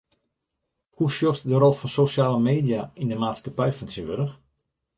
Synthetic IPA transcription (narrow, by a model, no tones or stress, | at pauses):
huʃjosdərolˠfɔnsoʃjaːləmeːdijaindəmaːtskapɛjfɔnsiʋøɾəx